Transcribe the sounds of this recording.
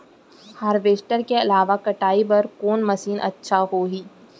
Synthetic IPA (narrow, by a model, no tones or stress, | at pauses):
haːɾʋeːsʈəɾkeɐlaːʋakɐʈaːibɐɾkoːnmɐsiːnʔɐ̰tːʃʰaɦoːɦiː